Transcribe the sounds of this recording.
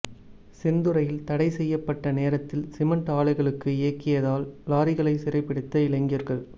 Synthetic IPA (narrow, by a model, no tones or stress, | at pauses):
sɛnd̪ɯɾɐjɪlt̪ɐɽɐɪsɛjːɐpːɐʈːɐneːɾɐt̪ːɪlsɪmɐɳʈaːɭɐɪɣɐɭɯkːɯɪjɐkːɪjɐðaːllaːɾɪɣɐɭɐɪsɪɾɐɪpːɪɽɯt̪ːɐɪlɐŋɡiːɾɣɐɭ